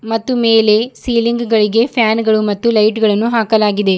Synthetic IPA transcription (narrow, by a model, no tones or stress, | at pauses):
mɐt̪ːumeːle̞siːliŋɡɡɐɭiɡe̞pʰjaːnɡɐɭumɐt̪ːulɐjʈɡɐɭɐnːuɦaːkɐlaːɡid̪e̞